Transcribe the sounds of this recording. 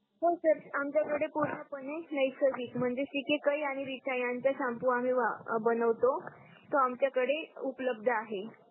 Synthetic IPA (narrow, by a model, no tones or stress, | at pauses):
ɦosəɾamt͡ɕjakəɽepuɾɳəpənenəjsəʋiːkm̤əɳd͡zeɕikekəjaɽ̃iʋit͡ɕʰajãɲt͡ɕjasampuam̤iːʋabənəʋt̪o | t̪oamt͡ɕjakəɽeupləb̚d̪ʱəaɦe